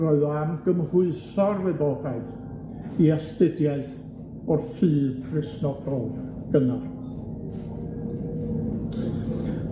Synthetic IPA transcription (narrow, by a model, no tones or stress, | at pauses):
rɔɨðɔamɡ̥əmrʊɨsɔrwɛbɔːɡaɨθ | iɛstɪdjaɨθ | ɔrfɨːð̥rɪsnɔɡɔlˠ | ɡ̥ənar